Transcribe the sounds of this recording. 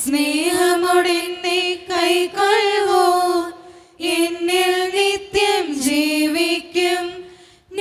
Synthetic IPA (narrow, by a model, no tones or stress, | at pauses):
sneːɦɐmɔɽinːɐkɐjkɐɭʋoː | inːilnit̪jɐmd͡ʒiːʋikːɐm | n